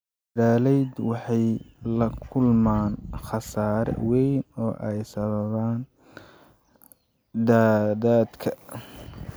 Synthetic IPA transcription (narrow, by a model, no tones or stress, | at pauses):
daːlɛjd̪wɑħɑjlɐkʰʊlmaːnχɑsaːɾɛ̰wɛjnɔːʔɛjsɐβɐβaːn | d̪aːðaːd̪kʰɐ